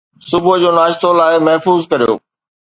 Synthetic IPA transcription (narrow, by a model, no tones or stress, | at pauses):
sʊbʊd͡ʑoːnaːʃt̪olaːɦemɐɦfuːzkɐɾijo̰ː